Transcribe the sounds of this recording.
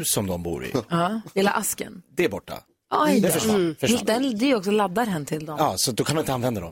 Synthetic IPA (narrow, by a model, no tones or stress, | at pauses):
sɔmd̪ɔmbṵːɾɪ̰ɑːheːla̰ʔaskə̰nd̪ɛæbɔʈːa̰ | ajd̪ɛfəʂfəad̪ɛnd̪ɛjɔksɔlad̪ːaɾɦɛnːət̪ʰɪld̪ɔmɑːsɔt̪̚d̪ɔkʰanmanɪt̪əanvɛnd̪ad̪ɔm